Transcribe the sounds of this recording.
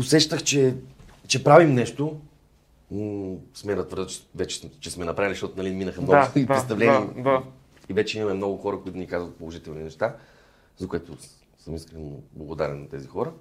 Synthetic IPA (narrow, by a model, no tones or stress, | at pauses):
osɛʃt̪əxt͡ʃɛt͡ʃɛpɾavimnɛʃt̪o | smɛnɐt̪vəɾd̪t͡ʃvɛt͡ʃɛ̥t͡ʃɛsmɛnɐpɾaviliʃt̪ɔt̪nɐlʲiminəxəmnɡʊipɾɛst̪ɐvlɛnima | ivɛt͡ʃɛimɐmɛmnɔɡʊxɔɾəkoit̪ʊnikazvɐt̪̚polˠoʒit̪ɛlˠninɛʃt̪a | zɐkʊɛt̪ʊ | səmiskɾɛno̰blˠɐɡʊd̪aɾɛ̰nːɐt̪ɛzixɔɾə